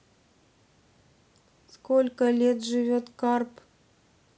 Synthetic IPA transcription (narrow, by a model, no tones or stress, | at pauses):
skolʲkəlʲet̪ʐɨvʲot̪kɑrp